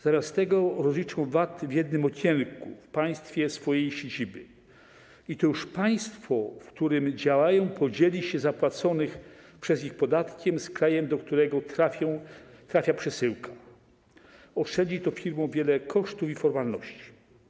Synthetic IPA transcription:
z̥amʲjast̪ɛɡɔɾɔzlʲit͡ʂɔ̃w̃vat̪vjɛd̪̚nɘmɔkʰʲɛŋkṵfpãj̃st̪fʲjɛsfɔjejɕed͡ʑibɘ | it̪ɔjuʂpaj̃st̪fɔfkt̪uɾɘmd͡ʑawajɔ̃w̃pʰɔd͡ʑelʲiɕɛzapwat̪sɔnɘxpʂɛzixpɔd̪at̪kʲɛmskɾajɛmd̪ɔkt̪uɾɛɡɔtaɔ̃t̪ɾafʲjapʂɛsɘwkʰa | ɔʂɛd͡ʑit̪ɔfʲiɾmɔ̃w̃vʲjɛlɛkʰɔʂt̪ufifɔɾmalnɔɕt͡ɕi̥

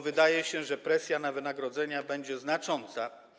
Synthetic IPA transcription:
vɘd̪ajɛɕɛʐɛpɾɛsʲjanavɘnaɡɾɔd̪zɛɲabɛɲd͡ʑɛznat͡ʂɔnt̪sa

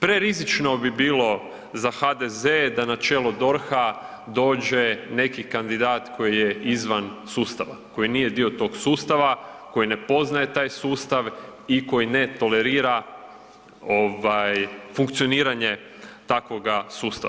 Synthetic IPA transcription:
pɾe̞ɾizit͡ʃno̞bibiːlo̞ | zaxad̪ezed̪anat͡ʃe̞ːlod̪o̞ɾxa | d̪o̞ːd͡ʒe̞ne̞kikand̪id̪aːt̪kʰo̞jije̞izʋansuːst̪aʋa̰ko̞jiniːje̞d̪io̞t̪o̞ːɡsuːst̪aʋako̞jine̞po̞znaje̞t̪aːjsuːst̪aʋiko̞jine̞t̪o̞le̞ɾiːɾa | o̞ʋajfuŋkt̪sio̞niːɾaɲe̞ | t̪ako̞ɡasuːst̪a̰

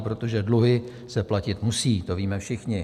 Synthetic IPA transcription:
pɾo̞t̪o̞ʒɛdluɦɪ | sɛplacɪt̪musiːt̪o̞viːmɛfʃɪxɲɪ

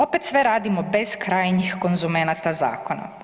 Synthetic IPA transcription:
o̞pet̪sʋeɾaːd̪imo̞be̞skɾaːjɲixko̞nzumenat̪aza̰ːkona̰

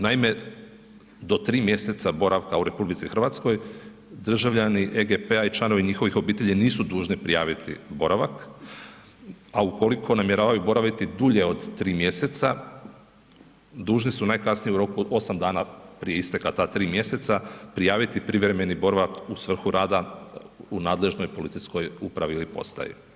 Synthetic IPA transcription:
naime̞ | d̪o̞t̪ɾiːmje̞se̞t̪sabo̞ɾʔaʋkauɾe̞publit̪sixr̩ʋat̪skoj | d̪r̩ʒaʋʎaniʔeɡepeait͡ʃlˠano̞ʋiɲixo̞ʋixo̞biːt̪e̞ʎiniːsud̪uːʒnipɾijaːʋit̪ḭbo̞ɾaʋak | auko̞likʰo̞namje̞ɾaːʋajubo̞ɾaʋit̪id̪uʎe̞o̞d̪t̪ːɾiːmje̞se̞t̪sa | d̪uːʒnisunajkasnijeuɾo̞kuo̞samd̪aːnapɾije̞ist̪ekat̪at̪ɾiːmje̞se̞t̪sapɾijaːʋit̪ipɾiʋɾe̞me̞nibo̞ɾaʋakusʋr̩xuɾʔaːd̪a | unaːd̪le̞ʒno̞jpo̞lit̪sijsko̞jupɾaʋiilipo̞̰st̪a̰jḛ

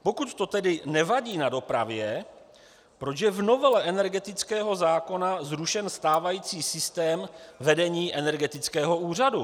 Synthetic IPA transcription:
po̞kut̪t̪o̞t̪ɛdɪnɛvaɟiːnado̞pɾa̰vjɛ | pɾot͡ʃjɛvno̞vɛlɛʔɛnɛɾɡɛt̪ɪt͡skɛːɦo̞zaːko̞nazɾuʃɛnst̪aːvajiːt͡siːsɪst̪ɛːmvɛdɛɲiːʔɛnɛɾɡɛt̪ɪt͡skɛːɦo̞uːr̝adu

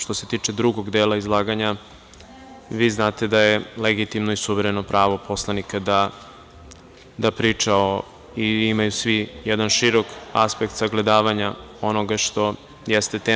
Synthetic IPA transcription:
ʃt̪o̞se̞t̪iːt͡ʂe̞d̪ɾuɡo̞ɡd̪eːlaizlˠaːɡaɲa | ʋiːznaːt̪e̞d̪ajeleɡit̪imnoisuʋeɾeno̞pɾaːʋo̞po̞slˠanikad̪a | d̪apɾit͡ʂao | iimajusʋijɛd̪anʃiɾo̞ka̰spekt̪saɡle̞d̪aːʋaɲao̞no̞ɡaʃt̪o̞ | jest̪e̞t̪e

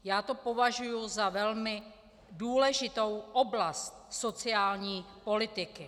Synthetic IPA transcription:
jaːt̪opo̞vaʒujʊzavɛlmɪ | duːlɛʒɪt̪o̞wʔoblast̪̚so̞t͡sɪaːlɲiːpo̞lɪt̪ɪkɪ

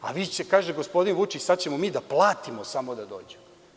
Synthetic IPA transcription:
a̰ʋiːt͡ɕekaːʒeɡo̞spo̞d̪inʋut͡ʃisad̪̚t͡ɕemomiːd̪aplˠaːt̪imo̞samo̞d̪ad̪o̞̰ːd͡ʑemo

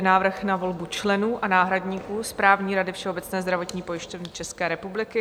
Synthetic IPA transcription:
naːvr̩xnavo̞lbut͡ʃlɛnuːʔʔanaːɦɾadɲiːkuːspɾaːvɲiːɾadɪfʃɛo̞bɛt͡snɛːzd̪ɾavo̞t̪ɲiːpo̞jɪʃcovnɪt͡ʃɛskɛːɾɛpublɪkɪ

